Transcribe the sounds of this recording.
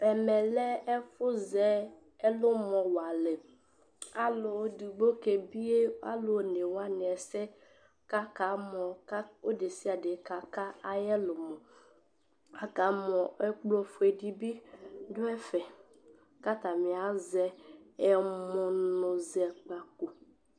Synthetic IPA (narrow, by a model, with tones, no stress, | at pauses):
ɛ˨mɛ˨lɛ˦ɛ˦fʊ˦zɛ˨˦ | ɛ˦lʊ˦mɔ˨wa˨lɛ˨ | a˦lʊ˨˦du˨ɡ͡bo˦ke˨bi˦e˦a̰˦lʊ˨ne˨wa˦nɪ˨ɛ˨sɛ˦ | ka˦ka˨˦mɔ˨ka˦o˦de˨si˦a˨dɪ˨˦ka˨ka˦a˦jɛ˦lʊ˨mɔ̃˨ | a˨ka˨˦mɔ̃˨ɛ˦k͡plɔ˦fʊ˦e˨di˦bi˦dʊ˦ɛ˦fɛ˨ | ka˦t̪a˨mɪ˨a˨zɛ˦ɛ˦mʊ˨nʊ̃˨zɛ˨k͡pa˨ko˨